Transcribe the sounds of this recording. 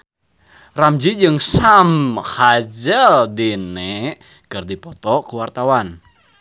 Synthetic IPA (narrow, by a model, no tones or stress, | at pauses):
ramd͡ʒid͡ʒɨŋsamhad͡ʒəldinɛ | kərdipɔt̪ɔkuwart̪awan